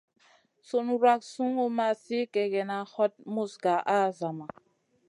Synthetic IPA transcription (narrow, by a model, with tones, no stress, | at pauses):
so˨nu˨ɾwa˦ksu˦ŋo˦ma˨si˦kɛ˨ɡɛ˨na˨˦hɔ˦t̚mu˦sɡa˨ʔa˦za˨ma˨